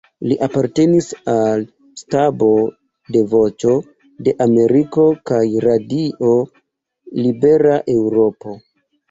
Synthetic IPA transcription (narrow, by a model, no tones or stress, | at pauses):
liʔapaɾte̞nisal | stabo̞ | de̞vo̞t͡ʃo̞ | de̞ʔame̞ɾiko̞kajɾadiʔo̞ | libe̞ɾaʔe̞wɾo̞po̞